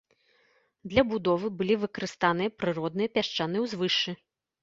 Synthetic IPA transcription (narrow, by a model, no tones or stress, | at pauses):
d̪lʲɐbud̪ɔvɨbɨlʲivɨkɐɾɨst̪anɨjɐpɾɨɾɔd̪nɨjɐpʲaʂt͡ʂanɨjwzvɨʂt͡ʂːɨ